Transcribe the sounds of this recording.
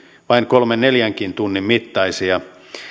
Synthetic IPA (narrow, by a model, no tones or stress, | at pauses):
ʋɑiŋkolmenneljæŋkint̪unːimmit̪ːɑisiɑ